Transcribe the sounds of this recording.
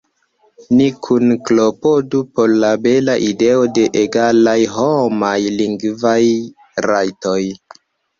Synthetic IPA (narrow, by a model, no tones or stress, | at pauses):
nikʰunklo̞podupo̞ɾlabe̞laʔideode̞ʔeɡalajɦomajliŋɡvaj | ɾajto̞j